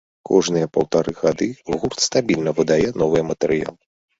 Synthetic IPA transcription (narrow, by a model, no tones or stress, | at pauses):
kʰɔʐnɨjɐpɐwt̪aɾɨɣad̪ɨɣurt̪st̪abʲilʲnɐvɨd̪ajɛnɔvɨjɛmɐt̪ɛɾɨja̰lˠɨ